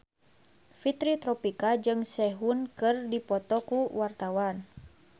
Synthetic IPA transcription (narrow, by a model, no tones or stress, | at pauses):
fit̪ɾit̪ɾɔpikad͡ʒɨŋsɛɦunkɨrdipɔt̪ɔkuwart̪awan